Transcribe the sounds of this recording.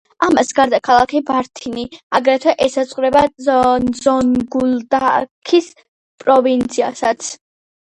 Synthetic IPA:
amasɡaɾd̪akʰalˠakʰibaɾt̪ʰiniaɡɾɛt̪ʰwɛʔɛsat̪sʼqʼɾɛbanzɔnɡuld̪akʰis | pʼɾɔvint̪sʰia̰sat̪sʰ

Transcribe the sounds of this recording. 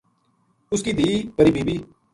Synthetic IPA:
ʊskiːd̪iːpəɾiːbiːbiː

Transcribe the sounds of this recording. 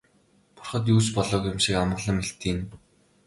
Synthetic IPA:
pʊ̥rχə̆t̪̬uːt͡ɕpɔɮɔːkjʊmʃikamə̆ʁɮə̆mxeɬt̪iːn

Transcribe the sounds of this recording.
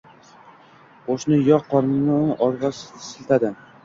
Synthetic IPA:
oʃnɪjɒqʰːɒɾmɪnɪʔɒɾɡʲassɪlt̪ʰad̪ɪ

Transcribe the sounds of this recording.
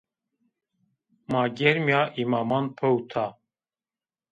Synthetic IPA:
maːɡɛɾmjaːʔimaːmɑːnpʰəwt̪ʰa

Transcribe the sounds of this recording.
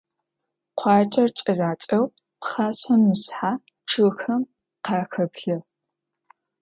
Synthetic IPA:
qʷʰɑːt͡ʃʼɐrt͡ʃʼɐraːt͡ʃʼɐw | pχaːɕɐnmɨsħaː | ʈ͡ʂʰɨɣxɐm | qɑːxɐbɮɐ

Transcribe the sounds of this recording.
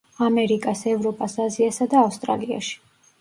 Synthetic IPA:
amɛɾikʼasɛvɾɔpʼasaziasad̪aːfst̪ʼɾa̰lia̰ʃi̥

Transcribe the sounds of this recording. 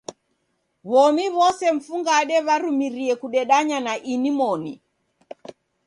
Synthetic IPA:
βɔmiβɔsɛɱ̩fuŋɡaɗɛβaɾumiɾiɛkuɗɛɗaɲanaʔinimɔni

